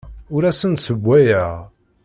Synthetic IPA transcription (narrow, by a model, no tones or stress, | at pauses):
ʊɾæsənsəbʷːæjæʁ